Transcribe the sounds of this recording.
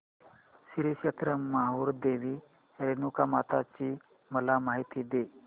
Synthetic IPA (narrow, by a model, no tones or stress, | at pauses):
siɾiɕet̪ɾəmaɦuːɾd̪eʋiː | heɾenukamat̪at͡ɕiː | məlamaɦit̪iːd̪e